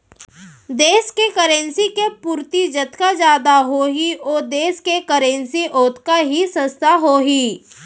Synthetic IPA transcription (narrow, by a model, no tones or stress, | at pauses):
d̪eːskekəɾẽːnsikepuːɾt̪id͡ʒɐt̪kad͡ʒjaːd̪aɦoːɦiʔoːd̪eːskekəɾẽːnsiʔoːt̪kaɦisə̃st̪ʰaɦoːɦiː